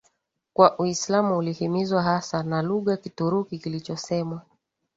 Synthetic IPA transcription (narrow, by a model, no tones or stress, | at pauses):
kwaʔuislamuulihimizwaɦasanaluɣakituɾukikilit͡ʃɔsɛmwa